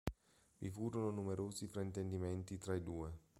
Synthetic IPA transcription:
vifuːɾononumeɾoːzifɾaint̪end̪imɛnt̪it̪ɾaid̪uːe

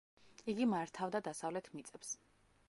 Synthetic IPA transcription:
iɡimaɾt̪ʰavd̪ad̪asavlɛt̪ʰmit̪sʼɛps

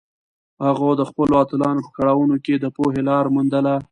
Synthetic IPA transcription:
haɣod̪əxpəloat̪ɪlɑnopə̥kaɽɑwunoked̪əpoɦelɑɾmund̪əla

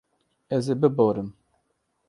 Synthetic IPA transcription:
ɛzeːbɨboːɾɨm

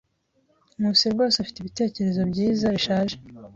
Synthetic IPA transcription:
nusebɡo̞ːseafi̥teβite̞ːce̞ɾe̞zo̞bɟiːzaɾiʃaːʒe

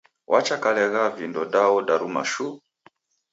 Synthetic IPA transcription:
wʔat͡ʃakalɛɣavindɔdaɔdaɾuma̰ʃu

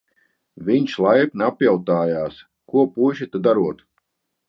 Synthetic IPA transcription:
vʲiɲʲʃlˠajpnapʲjawt̪aːjaːs | kuɔpuʒit̪ud̪aɾuɔt̪

